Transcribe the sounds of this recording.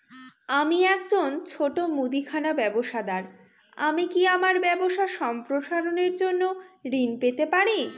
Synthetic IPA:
amiɛkd͡ʑont͡ɕʰoʈomud̪ikʰanabɛboʃad̪aɾa̰mikiamaɾbɛboʃaʃɔmpɾoʃaɾoneɾd͡ʑonːo | ɾinpet̪epaɾi

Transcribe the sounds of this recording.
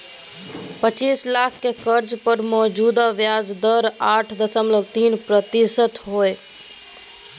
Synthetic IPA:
pət͡ʃiːslaːkʰkekəɾd͡ʒpəɾmɔːd͡ʒuːd̪aʋjaːd͡ʒd̪əɾaːʈʰd̪əsəmlət̪iːnpɾət̪isət̪ɦoːe

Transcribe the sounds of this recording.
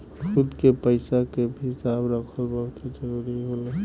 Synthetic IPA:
kʰʊd̪ʱkepəɪsakebʱsabɾəkʰəlbəked͡ʒəɾuɾiɦol

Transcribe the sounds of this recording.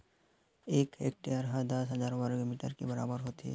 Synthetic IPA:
eːkḛːk̚ʈejəɾɦãd̪ɐsɦɐzaːɾwaɾɡmiːʈə̰ɾkebɐɾa̰ːbəɾɦoːt̪iɦɛ̰

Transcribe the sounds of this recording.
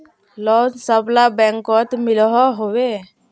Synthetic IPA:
lɔnsəblabɛŋkɔt̪milɔɦɔɦowe

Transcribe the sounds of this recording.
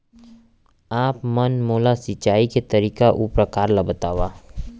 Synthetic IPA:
aːpmɐnmoːlasɪt͡ʃaːiket̪ɐɾiːkaʔupɾəkaːɾlabət̪aːʋaː

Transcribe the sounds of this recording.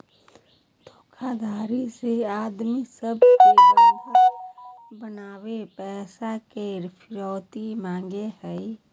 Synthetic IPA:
d̪̥ʱoːkʰad̪aːɾiseaːd̪misəbkeɔɦə | bənaːwepɛːsakeɾpʰɪɾɔːt̪imãːŋɡeɦɛi

